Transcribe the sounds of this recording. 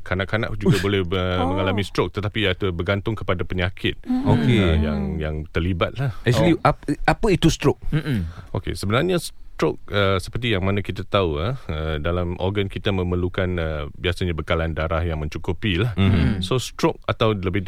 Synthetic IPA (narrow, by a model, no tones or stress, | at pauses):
kʰanaʔkːana̰ʔd͡ʒuɡabolɛhəmə̃ŋalamist̪ɾok̚t̪ət̪apiat̪ubərɡant̪ʊŋkəpadapəɲakʰɪt̪̚okeəjaŋjaŋt̪ərlibat̪̚lahɛkliaapəit̪ust̪ɾok̚okḛsəbənarɲast̪ɾok̚əsə̥pərt̪ijaŋmanakit̪at̪auaədalamʔɔ̰rɡankit̪amə̃məlukanəbiasaɲabəkalandaɾahjaŋmə̃ɲt͡ʃukupilahsost̪ɾok̚at̪awləbɪ